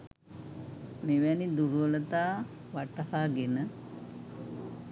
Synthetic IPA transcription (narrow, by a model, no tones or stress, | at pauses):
meʋænid̪uɾuʋələt̪aː | ʋaʈəhaːɡenə